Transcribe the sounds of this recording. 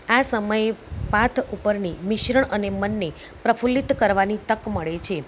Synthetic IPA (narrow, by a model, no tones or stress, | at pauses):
asəməjepat̪ʰupəɾnimɪʃɾəɳʔənemənːe | pɾəfulit̪kəɾʋanit̪əkməɭet͡ʃʰe